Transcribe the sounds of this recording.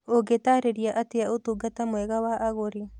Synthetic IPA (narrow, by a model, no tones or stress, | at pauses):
oɡet̪aɾeɾiaʔat̪eaot̪uɡat̪amoeɣawaʔaɣoɾi